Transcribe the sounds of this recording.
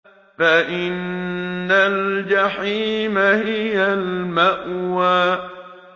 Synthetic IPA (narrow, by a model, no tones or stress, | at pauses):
faʔɪnː | ald͡ʒaħiːmahɪjalmaʔwaː